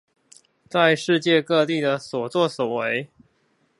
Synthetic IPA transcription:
t͡sa˥˧ɪʂɻ̩˥˧t͡ɕjɛ˥˧kɤ˥˧t̪i˥˨˩d̪ə˩swɔ˨˩t͡swɔ˥˨swɔ˨˩we˧˦ɪ

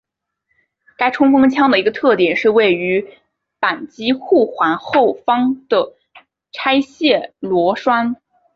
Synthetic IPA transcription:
ka˥ɪʈ͡ʂʰʊ˥ŋfɤ˥ŋt͡ɕʰjɑ˥ŋd̪ə˨i˧˥ɡə˧t̪ʰɤ˥˩t̪jɛ˨˩nʂɻ̩˥˧we˥˩ɪy˧˥ | pa˨˩nt͡ɕi˥xu˥˩xwa˧˥nxo˥˩ʊfɑ˥ŋd̪̥ə˩ | ʈ͡ʂʰa˥ɪɕjɛ˥˩lwɔ˧˥ʂwa˥n

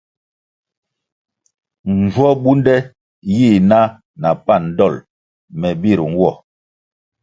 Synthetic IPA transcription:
n˨zwɔ˦bu˦ndɛ˦ | ji˦˨na˦ | na˨pa˦˨n˦dɔ˦˨l | mɛ˨bi˦˨ɾŋ̩˦wɔ˦˨

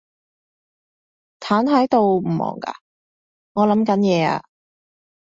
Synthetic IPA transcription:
t̪ʰaː˨˥nhɐ˨˥jt̪o˨˧wm̩˨˩mɔ̰ː˨˩ŋka̰ː˧ | ŋɔː˨˧lɐ˨˥mkɐ˨˥njɛː˨˧a̰ː˧

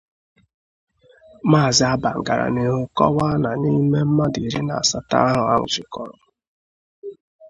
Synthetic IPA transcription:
maː˦˨zɪ˦a˦ba˨ŋ̩˨ɡa˨ɾa̰˨ne˨ʊ˦kɔ̰˦wa˦na˨ni˦me˦m̩˦ma˦di˨ɾi˦na̰˨a˨sa˨ta̰˦a˦ɦʊ˨a̰˦ŋʷʊ˨d͡ʒɪ˨kɔ˨ɾʊ˨

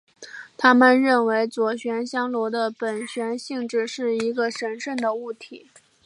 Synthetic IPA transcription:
t̪ʰa˥mə˨nɻə˥˩nwe˧˥ɪt͡swɔ˨˩ɕɥɛ˧˥nɕjɑ˥ŋlwɔ˧˥d̪ə˧pə˨˩nɕɥɛ˧˥nɕi˥˧ŋʈ͡ʂɻ̩˥˧ʂɻ̩˥˩i˧˥ɡə˧ʂə˧˥nʂə˥˩nd̪ə˩u˥˩t̪ʰi˨˩˦

